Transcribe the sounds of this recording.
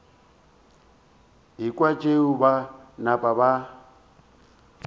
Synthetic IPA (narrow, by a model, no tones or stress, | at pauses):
ɦikʼwat͡ʃʼeubanapʼaβa